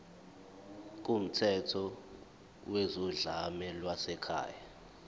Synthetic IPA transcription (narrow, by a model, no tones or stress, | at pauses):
k̬ʼum̩tʰɛtʰɔ | wezɔɮamɛlwasɛkʰa̰ːja